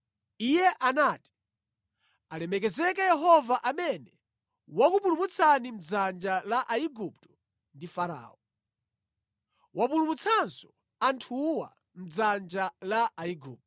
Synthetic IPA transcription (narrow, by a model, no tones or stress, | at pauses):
ijɛʔanaːti̥ | alɛmɛk̬ɛzɛk̬ɛjɛɦɔvaʔamɛnɛ | wakupulumut͡sʰanim̩d͡zand͡ʒalaʔaiɡup̚tɔ̥ | ndifaɾa̰ːɔ | wap̬ulumut͡sʰansɔ | antʰuwa̰ | m̩d͡zand͡ʒalaaiɡuːp̚tɔ